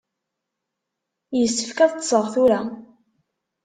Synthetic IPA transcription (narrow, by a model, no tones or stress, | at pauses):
jəsːə̥fkæðəsˤəʁθʊɾa